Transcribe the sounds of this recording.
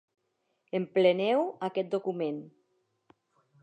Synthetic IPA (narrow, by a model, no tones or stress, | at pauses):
emplenɛwakɛt̪̚d̪okumen